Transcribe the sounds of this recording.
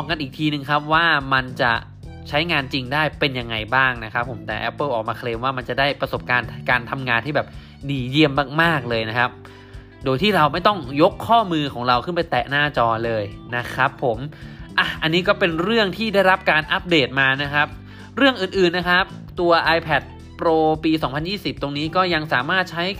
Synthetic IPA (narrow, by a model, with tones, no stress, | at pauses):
ɔː˧ŋka˧nʔiː˨˩k̚t̪ʰiː˧nɯ˨˩ŋkʰa˦˥p̚waː˥˩ma˧nt͡ɕa˨˩ | t͡ɕʰa˦˥jŋaː˧nt͡ɕi˧ŋdaː˥˩jpe˧nja˧ŋːa˧jbaː˥˩ŋna˦˥kʰa˦˥pʰːo˩˦mt̪ɛ̰ː˨˩ʔɛ˦˥pːɤː˥˩ʔɔː˨˩k̚maː˧kʰleː˧mwaː˥˩ma˧nt͡ɕa˨˩daː˥˩jpɾa˧so˨˩p̚kaː˧nkaː˧nt̪ʰa˧mŋaː˧nt̪ʰiː˥˩bɛː˨˩p̚ | diː˨˩ji˥˩əmːaː˥˩k̚maː˥˩k̚lɤː˧jna˦˥kʰa˦˥p̚ | doː˧jt̪ʰiː˥˩ɾa˧wma˥˩jt̪ɔ˥˩ŋjo˦˥kʰːɔː˥˩mɯː˧kʰɔː˩˦ŋɾa˧wkʰɯ˥˩npa˧jt̪ɛː˨˩naː˥˩t͡ɕɔː˧lɤː˧jna˦˥kʰɾa˦˥pʰːo˩˦mʔa˧˩ʔa˧nːiː˦˥kɔː˥˩pe˧nɾɯ˥˩əŋt̪ʰiː˥˩da˥˩jɾa˦˥p̚kaː˧nʔa˦˥p̚deː˨˩t̪̚maː˧na˦˥kʰa˦˥p̚ | ɾɯ˥˩əŋʔɯː˨˩nʔɯː˨˩nːa˦˥kʰa˦˥p̚ | t̪u˧ɐʔaː˧jpʰɛ˨˩t̪̚ | pɾoː˧piː˧sɔː˩˦ŋpʰa˧njiː˥˩si˨˩p̚t̪o˧ŋniː˦˥kɔː˥˩ja˧ŋsaː˩˦maː˥˩t̪̚t͡ɕʰa˦˥j